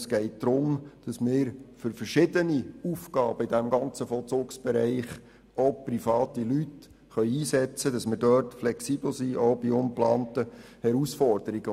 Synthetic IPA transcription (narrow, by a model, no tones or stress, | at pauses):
sɡ̥ɛɪt̚d̥̪ɾʊmd̥ɑsmɪːɾfʏɾfərʃɪdəniufɡ̥ɑːb̥əidæmɡɑnt͡səfɔlt͡sʊːksb̥ɛɾæɪχ | oprifɑːtilyt | χœʏiːsɛt͡səd̥ɑsmɪːɾdœrtflɛksib̥l̩siʔoʊbiʊmplɑːntəhɛɾusfɔrd̥əɾiɡ̥ə